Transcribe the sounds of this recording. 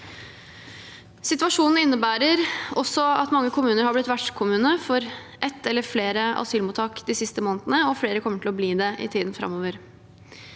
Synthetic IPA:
sɪt̪ʋɑʂuːnn̩ɪnːəbæːɾəɾɔsɔɑ̰t̪mɑŋːəkʰʊmʉːnəɾhɑblɪt̪ːʋæʈʂkʰʊmʉːnəfɔɾ | ʔɛt̪ːɛlːəɾfleːɾəɑ̰syːlmuːt̪ʰɑːkd̪ɪːsɪst̪əmoːnət̪ənəɔfleːɾəkʰɔmːəʈʰɪlɔbliːd̪ɛʔɪ̰t̪ʰiːd̪n̩fɾɑ̰moːʋəɾ

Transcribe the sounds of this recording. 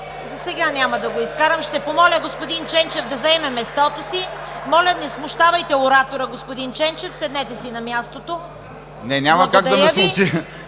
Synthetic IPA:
zɐsɛɡanʲamɐd̪ɐɡoiskaɾɐmʃt̪ɛpomɔlʲɐɡospod̪int͡ʃɛnt͡ʃɛfd̪ɐzɛmɛmɛst̪ɔt̪osimɔlʲɐnɛsmʊʃt̪avɐjt̪ɛoɾat̪oɾɐɡospod̪int͡ʃɛnt͡ʃɛfsɛd̪nɛt̪ɛsinɐmʲjast̪ot̪o | nɛnʲamɐkaɡ̪̚d̪ɐmɛslˠut͡ʃi

